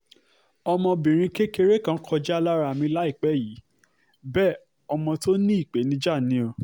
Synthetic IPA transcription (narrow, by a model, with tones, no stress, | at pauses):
ɔ˧mɔ̃˧bĩ˨ɾ̃ĩ˧ke˦ke˧ɾe˦kã˦kʰɔ˧d͡ʒɛ˦a˦˧la˦ɾa˨mĩ˧˦la˦i˦˨k͡pɛ˨˦˨ji˨˦ | bɛː˦˨ | ɔ˧mɔ̃˧to˦nĩ˦i˦˨k͡pe˨˦nĩ˧d͡ʒa˦˨nĩ˨˦o˧